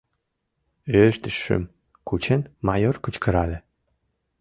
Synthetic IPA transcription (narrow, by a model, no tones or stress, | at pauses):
øʃt̪ɘʃːɘ̰m | kʰut͡ɕenmajorkut͡ɕkəɾalʲɘ̆